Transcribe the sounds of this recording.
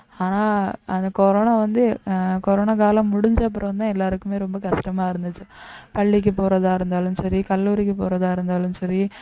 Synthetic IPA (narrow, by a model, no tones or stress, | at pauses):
aːnaːɐnd̪ɐkɔɾoːnaːʋɐnd̪ɯkɔɾoːnaːkaːlɐ̃mːʊɽʊɲd͡ʒɐp̬ːɐɽɐʋɐnd̪ãːɛlːaːɾɯkːɯmeːɾɔmbɐkɐʂʈɐmaːɪɾɯnd̪ɯt͡ʃːɯ | pɐɭːik̬ːɯpoːɾɐðaːɪɾɯnd̪aːlɯnsɐɾikɐlːuːɾikːɯpo̰ːɾɐðaːɪɾɯnd̪aːlɯnsɐɾi